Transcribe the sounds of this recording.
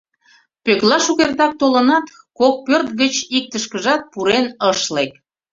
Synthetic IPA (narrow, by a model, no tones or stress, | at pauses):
pøklɑʃuɣerd̪ɑk̚t̪olənɑt̪ | kok̚pørt̪ɡət͡ɕik̚t̪əʃkəʒɑt̪̚puɾenəʃlek̚